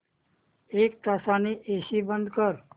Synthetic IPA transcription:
eːk̚t̪asaːniʔeːsibə̃nd̪kəɾ

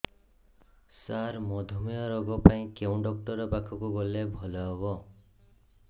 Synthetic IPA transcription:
saɾmɔd̪ʱumijɔɾɔɡɔpaĩkeũɖɔk̚ʈɔɾɔpakʰɔkuɡɔlebʱɔlɔɦɔβɔ

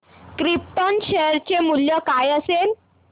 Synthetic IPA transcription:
kɾip̚ʈənɕeɾt͡ɕemuljəkajəsel

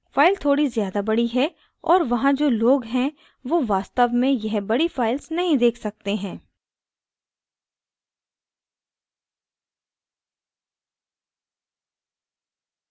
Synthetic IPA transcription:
faːɪlt̪ʰoːɽizjaːd̪abɐɽiɦɛ | ɔːɾʋɐɦãd͡ʒoːloːɡɦɛ̃ | ʋoʋaːst̪əʋmẽjɐɦbɐɽifaːɪlsnɐɦĩd̪eːkʰsɐk̚t̪eɦɛ̃ː

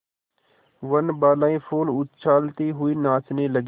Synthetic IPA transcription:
ʋənbaːlaːĩfʰoːlʊt̪t͡ʃʰaːlt̪iɦʊiːnaːt͡ʃneləɡ

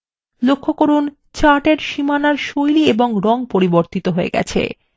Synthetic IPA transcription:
lokʰːokoɾun | t͡ɕaʈeɾʃimanaɾʃojlieboŋɾɔŋpoɾiboɾt̪it̪oɦoḛɡɛ̰t͡ɕʰḛ

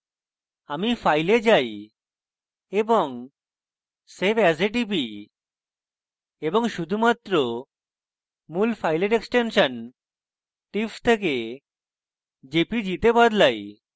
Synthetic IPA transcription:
amifʰajled͡ʑaj | eboŋ | sebɛseʈ̬ipi | eboŋʃud̪ʱumat̪ːɾo | mulpʰajleʈeksʈenʃan | ʈift̪ʰek̬e | d͡ʑepid͡ʑit̪ebad̪laj

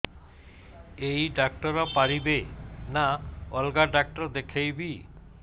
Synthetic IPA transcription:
ejɖak̚ʈoɾːapaɾibenaɔlɡaɖak̚ʈoɾd̪ekʰejbi

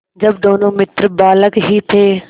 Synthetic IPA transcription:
d͡ʒəbd̪oːnõːmɪt̪ɾbaːləkɦiːt̪ʰeː

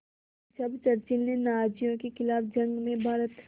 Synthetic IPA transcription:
d͡ʒɐbt͡ʃɐɾt͡ʃilnenaːd͡ʒijõkexɪlaːbd͡ʒɐ̃ŋɡmẽbʱaːɾət̪

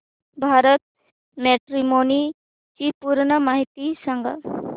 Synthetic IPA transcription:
bʱaɾət̪̚ | meʈɾimoni | t͡ɕipuɾɳəmaɦit̪isəŋɡa̰

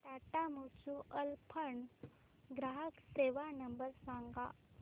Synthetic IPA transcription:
t̪aʈamut͡ɕuʔəlpʰəɳ | ɡɾaɦəkseʋanəmbəɾsãŋɡa̰

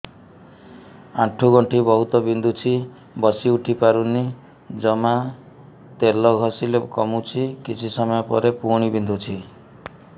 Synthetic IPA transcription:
aʈʰuɡɔɳʈʰibɔɦut̪ɔbind̪ʱut͡ʃʰi | bɔsiuʈʰipaɾuni | d͡ʒɔma | t̪elɔɡʱɔsilekɔ̰mut͡ʃʰikit͡ʃʰisɔmɔjɔpɔ̰ɾepuɽ̃ibind̪ʱut͡ʃʰi

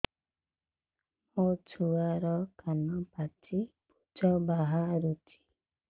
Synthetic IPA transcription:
mot͡ʃʰuaɾɔkanɔpat͡ʃʰipud͡ʒɔbaɦaɾut͡ʃʰi̥

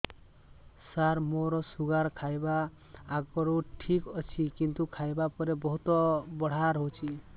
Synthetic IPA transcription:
saɾmoɾɔsuɡaɾkʰajbaː | ɡɔɾuʈʰikɔt͡ʃʰikint̪ukʰajbapɔɾebɔɦut̪ɔbɔɽ̤aɾɦot͡ʃʰi

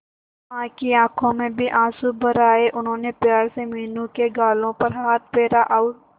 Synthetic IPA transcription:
ãːkiãːkʰõmẽbʱiʔãːsubɐɾaːeʔʊnɦõːnepjaːɾsemiːnũkeɡaːlõpɐɾɦaːt̪̚ʰpeːɾaʔaʊ

